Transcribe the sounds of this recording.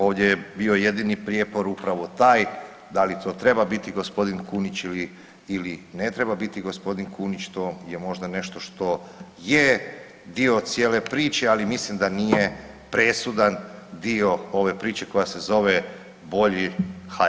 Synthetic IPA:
o̞ːʋd̪ʲjejebio̞je̞d̪inipɾjepo̞ɾupɾaʋo̞t̪aːj | d̪alit̪ʰo̞ːt̪ɾe̞babit̪iɡo̞spo̞d̪inkuːnit͡ɕiliː | linet̪ɾe̞babit̪iɡospo̞d̪inkuːnit͡ɕt̪o̞jemo̞ʒd̪ane̞ʃt̪o̞ʃt̪o̞je | d̪io̞t̪sjeːle̞pɾiːt͡ʃe̞alimislimd̪anije̞ | pɾe̞sud̪and̪io̞o̞ʋe̞pɾiːt͡ʃe̞ko̞jase̞zo̞ʋe̞ | bo̞ʎixa

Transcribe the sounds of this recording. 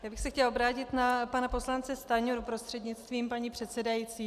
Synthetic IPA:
jaːbɪxsɛxtcɛlobɾaːcɪt̪napanapo̞slant͡sɛst̪aɲuɾupɾo̞st̪r̝̥ɛdɲɪt͡st̪viːmpaɲiːpr̝̥ɛt̪sɛdajiːt͡siː

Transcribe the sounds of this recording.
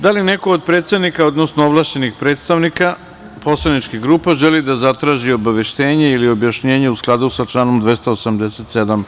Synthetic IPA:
d̪alineko̞od̪̚pɾe̞ːt̪sed̪nikao̞d̪nosnooʋlˠaːʃt͡ɕe̞nixpɾe̞ːt̪st̪aʋnika | po̞slˠanit͡ʃkiɣɡɾuːpaʒelid̪azat̪ɾaːʒio̞baʋe̞ʃt̪e̞ːɲeilio̞bjaʃɲeːɲeusklˠad̪usat͡ʃlaːno̞md̪ʋe̞st̪aosamd̪eset̪sed̪am

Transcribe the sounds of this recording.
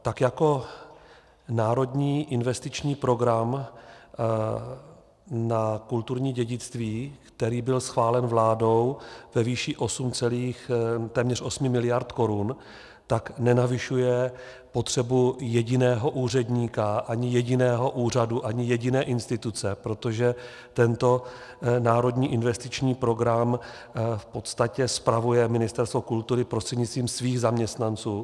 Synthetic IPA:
t̪akjako̞ | naːɾo̞dɲiːʔɪnvɛst̪ɪt͡ʃɲiːpɾo̞ɡɾam | nakult̪uɾɲiːɟɛɟɪt͡st̪viːkt̪ɛɾiːbɪlsxvaːlɛnvlaːdo̞wvɛviːʃɪʔo̞sumt͡sɛliːxt̪ɛːmɲɛr̝ʔo̞smɪmɪlɪjaɾt̪ko̞ɾun | t̪aknɛnavɪʃujɛ | po̞t̪r̝̥ɛbujɛɟɪnɛːɦo̞ʔuːr̝ɛdɲiːkaʔaɲɪjɛɟɪnɛːɦo̞ʔuːr̝aduʔaɲɪjɛɟɪnɛːʔɪnst̪ɪt̪ut͡sɛpɾo̞t̪o̞ʒɛ | t̪ɛnt̪o̞ | naːɾo̞dɲiːʔɪnvɛst̪ɪt͡ʃɲiːpɾo̞ɡɾam | fpo̞t̪st̪acɛspɾavujɛmɪnɪst̪ɛɾst̪vo̞kult̪uɾɪpɾost̪r̥ɛdɲɪt͡st̪viːmsviːɣzamɲɛst̪nant͡suː

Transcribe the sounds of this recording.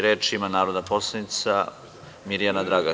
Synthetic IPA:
ɾeːt͡ʃimanaːɾod̪apo̞slˠanit̪sa | miɾijanad̪ɾaɡa

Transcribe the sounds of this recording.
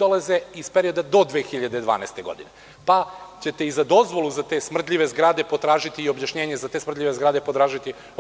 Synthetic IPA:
olaze̞ispeɾio̞d̪ad̪o̞d̪ʋeːxiʎad̪ed̪ʋa̰ːnɛ̰st̪e̞ɡo̞d̪ine | pat͡ɕe̞t̪eizad̪o̞zʋo̞luzat̪e̞ːsmr̩t̪̬ʎʲiʋe̞zɡɾaːd̪e̞po̞t̪ɾaːʒit̪iːo̞bjaʃɲe̞ːɲe̞zat̪esmr̩t̪ʎʲiʋezɡɾaːd̪e̞po̞t̪ɾaːʒit̪i

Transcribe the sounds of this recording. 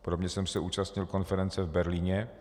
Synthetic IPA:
pɾomɲɛsɛmsɛʔuːt͡ʃast̪ɲɪlko̞nfɛɾɛnt͡sɛvbɛɾliːɲɛ

